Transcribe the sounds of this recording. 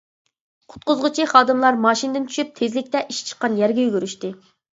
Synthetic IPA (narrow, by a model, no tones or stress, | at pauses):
qʰʊ̥t̪̚qʊzʁʊt͡ʃʰiχɑːd̪ɨmlˠɑɾmɑːʃinɨd̪ɪnt͡ʃʰy̥ʃyp̚t̪ʰezlɪkʲt̪ɛʔiʃt͡ʃʰə̥qːɑnjɛɾɡʲɛjyɡʲyɾyʃt̪ɨ